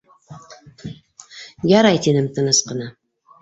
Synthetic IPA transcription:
jɑɾɑjt̪inɘmt̪ɤ̆nɤsqɤ̆nɑ

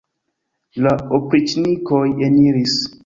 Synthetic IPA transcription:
laopɾit͡ʃnikojeniɾis

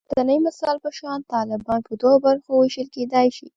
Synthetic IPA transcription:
d̪anəjmɪsɑlpəʃɑnt̪ɑlɪbɑnpəd̪oɣobaɾxowɪʃəlked̪ɑjʃḭ

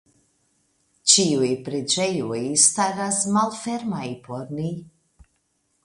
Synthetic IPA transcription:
t͡ʃiujpɾed͡ʒejujst̪aɾasmalfeɾmajpʰoɾni

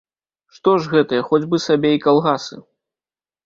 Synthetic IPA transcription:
ʂt̪ɔʐɣɛt̪ɐjɐxɔd͡zʲbɨsabʲeikalˠɣasɨ̰

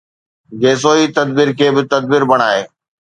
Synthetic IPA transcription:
ɡeːs̬oːiːt̪ɐd̪biɾkʰeːbɪt̪ɐd̪̚bɪɾbɐɽ̃aːɦeː

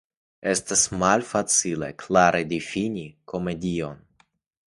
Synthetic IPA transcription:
e̞stasmalfat͡silḛklaɾʔed̪ifinʲiko̞me̞dio̞n

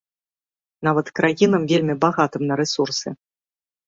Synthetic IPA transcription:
navɐt̪kɾajinɐmvʲelʲmʲibaɣat̪ɨmnɐɾɛsursɨ̰

